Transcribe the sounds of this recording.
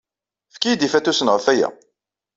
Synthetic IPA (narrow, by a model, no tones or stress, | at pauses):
fkijd̪ifæt̪ːusənəʁəfæjæ̰